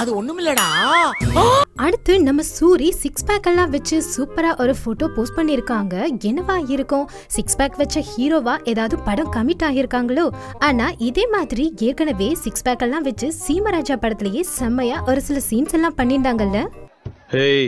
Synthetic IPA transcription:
ɐðɯɔnːɯmɪlːɐɽãː | ɐɽɯt̪ːɯnɐmːɐsuːɾisɪksbaːkɛlːãːʋɐt͡ʃːɯsuːpɐɾaːʔɔɾɯfoːʈoːpoːspɐɳːɪɾɯkːaːŋɡɐɛnːɐʋaːɪɾɯkːʊ̃ | sɪksbaːkʋɐt͡ʃːɐhiːɾoːʋaːʔɛðaːʋɐðɯ̃pɐɽɐ̃kɐmɪʈːaːɣɪɾɯkːaːŋɡɐɭoːaːnaːʔɪðeːmaːðɪɾieːɾkɐɳɐʋeːsɪksbaːkɛlːãːʋɐt͡ʃːɯsiːmɐɾaːd͡ʒaːpɐɽɐt̪ːɪlɐjeːsɐmːɐjaːʔɔɾɯsɪlɐsiːnsɛlːãːpɐɳːɪɳɖaːŋɡɐɪlːɐ | he

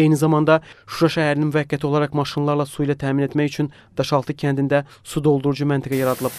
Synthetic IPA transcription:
ejnizɑmɑnd̪ɑʃuɾɑʃæɦæɾɪnnmyvækʲʰːæt̪ʰio̞lˠɑɾɑqmɑʃinlˠɑɾlˠɑsuijlˠɑt̪ʰæːminet̪mæjyt͡ʃʰyn | d̪̥ɑʃɑlˠt̪ʰɯkʲʰænd̪ind̪æ | sud̪olˠd̪uɾud͡ʒumænt̪ʰɪɡɛjɑɾɑd̪ɯlˠɯb̚

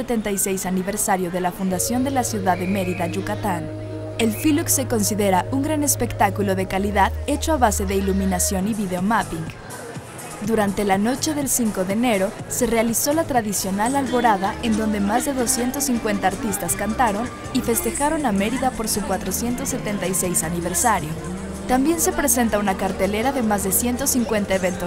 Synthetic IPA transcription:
et̪ent̪ajsejsaniβe̞ɾsaɾjo̞ðe̞lafund̪asjo̞nd̪e̞lasjuðaðeme̞ɾiðaʒukat̪an | e̞lfilukse̞ko̞nsiðe̞ɾauŋɡɾane̞spekt̪akulo̞ðe̞kaliðaðe̞t͡ʃoaβase̞ðe̞ilumĩnasjo̞niβiðeomapiŋɡ | d̪uɾant̪e̞lano̞t͡ʃe̞ðe̞lsiŋko̞ðene̞ɾo̞se̞realiso̞lat̪ɾaðisjo̞nalalβo̞ɾaðaʔe̞nd̪o̞nd̪e̞mazðe̞ðo̞sje̞nt̪o̞sːiŋkwe̞nt̪aːɾt̪ist̪askant̪aɾo̞n | ife̞st̪e̞xaɾo̞name̞ɾiðapo̞ɾsukwat̪ɾo̞sje̞nt̪o̞sːe̞t̪e̞nt̪ajse̞jsaniβ̞e̞ɾsaɾjo | t̪ambje̞nse̞pɾe̞se̞nt̪aunakaɾt̪e̞le̞ɾaðe̞mazðe̞sje̞nt̪o̞siŋkwe̞nt̪aeβe̞nt̪os

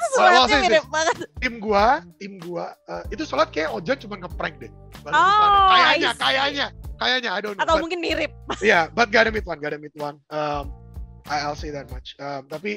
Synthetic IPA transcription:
aisɪakant̪ɪmɡuat̪ɪmɡuaəit̪usolat̪̚kajaod͡ʒant͡ʃumankəpɾɛŋ̚dɛ | baakajaɲakajaɲakajaɲaːjdonat̪awmuŋkɪnmiɾɪp̚jabat̪̚ɡadəmit̪̚wanɡadəmit̪̚wanəmajalsiðɛt̪̚mat͡ʃəmt̪api

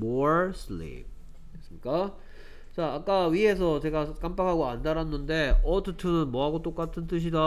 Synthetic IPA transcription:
moɾsʰɯlḭp̚ | es͈ɯmɲik͈a | t͡ɕaːk͈aɥiɦe̞sʰʌt͡ɕe̞ɡak͈ampakʰaɡoandaɾanːɯnde̞ʌtʰɯtʰɯnɯnmʌɦaɡot͈ok͈atʰɯnt͈ɯɕ̬ʰida

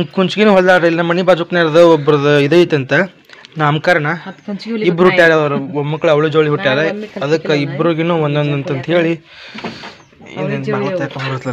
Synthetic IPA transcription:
kuɲt͡ʃɡinuːɦɔld̪aːɾɐilinɐmːɐnibaːd͡ʒukneɾd̪ɐɔbːɾɐd̪ɐid̪eʋit̪ɐnt̪ɐ | naːmkɐɾɐɳɐ | ibɾɦuʈːijaːɾeɐdɐɾɐomɐkːɭɐʋɭud͡ʒoːɭiɦuʈːijaːɾeɐd̪ɐkːɐibɾuɡinuːond̪ond̪ɐnt̪ɐnt̪ɐɦe̞ːɭi | ḭnd̪enmɐɡɭɐɐkomɐɾsɐ

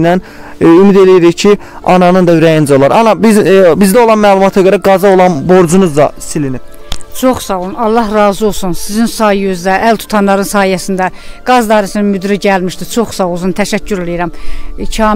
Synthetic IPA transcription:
næn | ymid̪e̞lijeɾicʰi | ɑnɑnɯnd̪ɑyɾæjind͡ʒæo̞lˠɑɾɑnɑbizbizd̪æolˠɑnmæːlˠumɑt̪ʰɑɡøɾæɡɑzɑolˠɑnbo̞ɾd͡ʒunuzd̪ɑ̰silinib̥t͡ʃʰo̞χsɑvunɑlˠːɑɦɾɑːzio̞lˠsunsizinsɑjjyzd̪æʔælt̪ʰu̥t̪ʰɑnlˠɑɾɯnsɑːhijæsind̪æɡ̥ɑzd̪ɑːɾisininmyd̪ɾiɟælmiʃd̪it͡ʃʰo̞χsɑwuzunt̪ʰæʃæcʰːyɾelijiɾæmcʰɑː

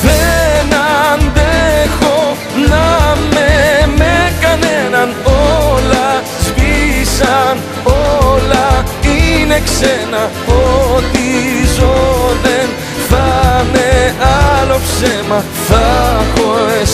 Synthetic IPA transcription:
penɐnd̪exo | nɐmemekɐnenɐnolɐ | zvisɐn | olɐineksenɐ | ot̪izoðen | θɐmeɐlo̞fsemɐ | θɐxoes

